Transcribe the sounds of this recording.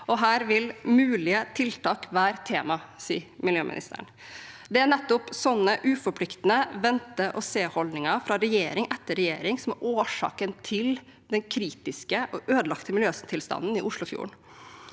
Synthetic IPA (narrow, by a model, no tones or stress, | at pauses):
ɔɦæːɾʋɪlmʉːlɪət̪ʰɪlt̪ʰɑːkʋæːɾt̪ʰeːmɑsḭːmɪljøːmʔɪ̰nɪ̰st̪ʰə̰ɾɳ | d̪ɛæɳɛt̪ːʊpsɔnːəʔʉːfɔpʰlɪkt̪ənəʋɛnt̪əʔɔseːhɔlnɪŋɑfɾɑɾɛjeːɾɪŋʔɛt̪ːəɾɛjeːɾɪŋsɔmæʔoːʂɑ̰ːkənt̪ʰɪl | d̪ɛnkʰɾiːt̪ɪskəʔɔʔøːd̪lɑkt̪əmɪljøːst̪ʰɪlst̪ɑ̰nːənɪʔʊʂlʊfjṵːɳ